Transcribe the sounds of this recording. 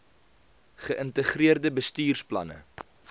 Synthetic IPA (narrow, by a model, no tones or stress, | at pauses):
χəʔəntəχriərdəbəstyːrsplɐ̰nə̰